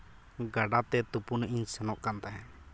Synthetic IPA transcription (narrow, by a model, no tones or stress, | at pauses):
ɡaɖat̪ɛt̪upunʔiɲsɛnɔʔkant̪aɦɛ̃